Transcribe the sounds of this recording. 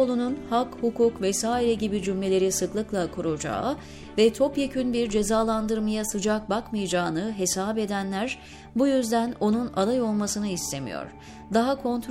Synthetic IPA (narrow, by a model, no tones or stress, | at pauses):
olˠununhakhukʰuːkvɛsaːiɾɛɟibid͡ʒymʲe̞lʲe̞ɾisɯklˠɯklˠakʰuɾud͡ʒa̰ːɯ | vɛt̪ʰo̞pjacʰynbiɾd͡ʒe̞zaːlˠand̪ɯɾmajasɯd͡ʒak̚bakmɯjad͡ʒaːnɯɦe̞saːbe̞d̪ænlʲæɾ | bujyzd̪æno̞nuna̰d̪ˠajo̞lˠmasɯnɯist̪ʰe̞mḭjo̞̰ɾ̥ | d̪aɦakʰo̞nt̪ʰɾ